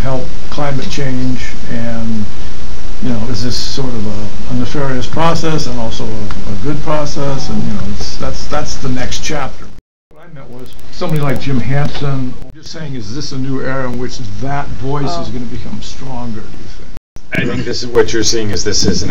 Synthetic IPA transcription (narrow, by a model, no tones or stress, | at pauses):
hɛlˠp̚kʰl̥ãɪ̃mɨt̚t͡ʃʰẽɪ̃nd͡ʒ | ɨ̃n | jɨnoʊɨzðɪs | ɔɹɾʌvə | ənɨfɛɹiɨspʰɹ̥ɔsɛsə̃nɔlˠsoʊəəɡʊd̚pʰɹ̥ɔsɛsə̃njɨnoʊɨtsðætsðætsðɨnɛkst͡ʃʰæp̚tʰə˞ | kãɪ̃mɨt̚wʌz̥sʌ̃mʌnilaɪk̚d̥ʒ̥ɪ̃mɦæ̃nsɨ̃nwʌjə̥˞seɪɪ̃ŋɨzðɪsɨnʉɛɹɨɨ̃nwɨt͡ʃðətvɔɪsɨzɡʌ̃nɨbɨkʰʌ̃mstɹ̥ɔ̃ŋɡə˞ɨfɪ̃ | aɪθɪ̃ŋk̚ðɪsɨzwʌt͡ʃə˞siɪ̃ŋɨzðɪsɪz̃